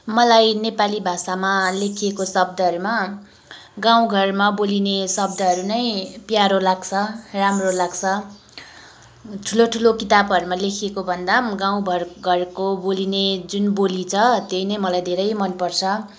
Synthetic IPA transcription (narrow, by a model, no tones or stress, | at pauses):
mʌlajnepalibʱasamalekʰiekosʌb̚d̪ʌɦʌɾuma | ɡãw̃ɡʱʌrmabolinesʌb̚d̪ʌɦʌɾunʌjpjaɾolaɡt͡sʰʌramrolaɡt͡sʰʌ | ʈʰuloʈʰulokit̪abʌɾumalekʰiekobʱʌnd̪aɡaw̃bʱʌrɡʱʌrkobolined͡zunbolit͡sʰʌt̪jejnʌjmʌlajd̪ʱeɾʌjmʌnpʌrt͡sʰʌ